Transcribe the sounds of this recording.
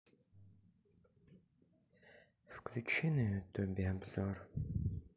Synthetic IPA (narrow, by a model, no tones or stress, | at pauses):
fkʰlʲut͡ʃʰinɨt̪ʰobiabz̥ɔr